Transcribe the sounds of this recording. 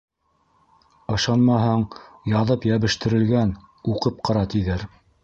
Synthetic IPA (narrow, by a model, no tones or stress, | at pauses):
ɤ̆ʃɑnmɑɦɤɴjɑðɤpjæβɘ̆ʃt̪ɘ̆ɾɘ̆lɡæn | uqɤp̚qʰɑɾɑt̪iðɘɾ